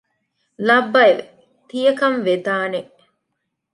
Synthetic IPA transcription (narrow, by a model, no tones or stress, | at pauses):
lɐbːɐeʋḛ | t̪ijɐkɐmʋed̪aːneʔ